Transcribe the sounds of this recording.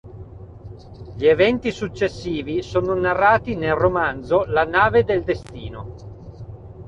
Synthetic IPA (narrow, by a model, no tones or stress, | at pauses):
ʎievɛnt̪isut͡ʃːesːiːvisoːnonarːaːt̪inelromand̪zolanaːved̪eld̪est̪iːno